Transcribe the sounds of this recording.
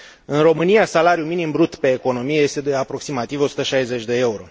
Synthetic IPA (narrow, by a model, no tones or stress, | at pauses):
ɨnro̞mɨnijasalaɾjuminimbɾut̪pe̞ːko̞no̞mije̞je̞st̪ed̪e̞apɾo̞ksimat̪ivo̞sut̪əʃajze̞t͡ʃʲd̪e̞e̞uɾo̞̰